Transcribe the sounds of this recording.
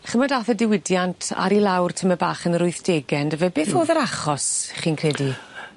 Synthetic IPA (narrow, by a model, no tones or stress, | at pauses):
χəmɔdaθədɪwɪdjantʰa̰ɾilˠawrtʰəməbaːχənɾʊɨθd̥eːɡɛndəvɛbeːθoːðəɾaχɔsχiːnkʰrɛdi